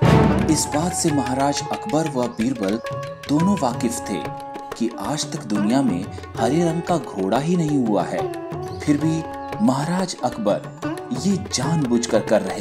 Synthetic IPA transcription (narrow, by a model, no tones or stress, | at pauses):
ɪsbaːt̪semɐɦaːɾaːd͡ʒɐkbəɾʋɐbiːɾbəld̪̥oːnõʋaːkɪft̪ʰḛː | kiʔaːd͡ʒt̪ɐkd̪ʊnijamḛ̃ | hɐɾeɾɐ̃ŋɡ̚kaɡʱoːɽaɦinɐɦĩɦua̰ɦɛ̰ːpʰɪɾbʱi | mɐɦaːɾaːd͡ʒɐkʰbəɾ | jeːd͡ʒaːnbʊd͡ʒkəɾkɐɾːɐɦe